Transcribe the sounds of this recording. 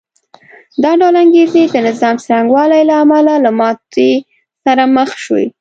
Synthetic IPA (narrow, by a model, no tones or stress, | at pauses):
d̪ɑɖawlaŋɡezed̪ənɪzɑmsaɾaŋɡwɑlajlaːmalalamɑt̪e | saɾaməxʃwḭ